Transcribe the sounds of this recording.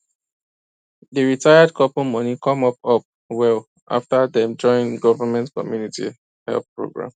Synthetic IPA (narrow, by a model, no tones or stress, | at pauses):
dəɹitʰajad̚kʰɔpomɔnikʰɔ̃mɔpɔp̚ | wɛl | ʔa̰ftadiɛ̃nd͡ʒɔ̃ɪĩnɡɔvəmɛ̃ntkɔ̰mjunitḭ | hɛ̰lθpɹo̰ɡɹã̰m